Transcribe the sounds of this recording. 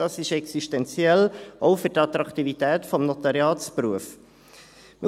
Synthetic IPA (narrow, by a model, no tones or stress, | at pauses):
ɑsɪʃɛksiʃtɛnt͡sjɛlʔɔʊfʏɾtɑt̪ɾɑkt̪ivitɛːtfɔmnɔt̪ɑɾjɑːt͡spɾuəf | mə